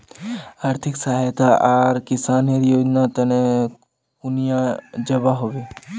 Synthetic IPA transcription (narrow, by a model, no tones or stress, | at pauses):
aːɾt̪ʰɪksaːɦajt̪aʔaːɾkɪsaːneɾjoːd͡ʒnat̪ɐne | kunijãd͡ʒɐbaɦoʋeː